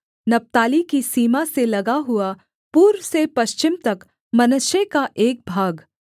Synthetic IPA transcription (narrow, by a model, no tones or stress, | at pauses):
nɐp̚t̪aːlikisiːmaselɐɡaɦʊa | puːɾʋsepɐʃt͡ʃɪmt̪ɐk | mɐnʊʃjekaʔeːk̚bʱaːɡ